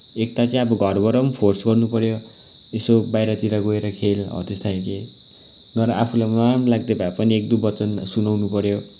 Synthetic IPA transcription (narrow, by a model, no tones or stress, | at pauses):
ek̚t̪at͡sʌĩʌbʌɡʱʌrbʌɾʌmpʰorsɡʌrnupʌɾjo | esobajɾʌt̪iɾaɡoeɾʌkʰelɦʌ̰t̪est̪ʰaj̃ke | nʌɾʌʔapʰulajmamlaɡ̚d̪ebapʌniek̚d̪ubʌt͡sʌnsunawnupʌɾjo